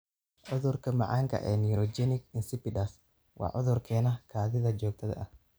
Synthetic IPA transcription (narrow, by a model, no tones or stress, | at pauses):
ʕʊðʊrkʰɐmɑ̰ʕɑ̰ːŋkʰɐ̰ʔɛːniɾɔd͡ʒɛnɪɡɪnsɪpɪdɐs | wɑ̰ːʕʊ̰ðʊrkʰɛːnɐkʰaːðɪðɐt͡ʃɔːk̚t̪ʰɐðɐ̰ʔɐh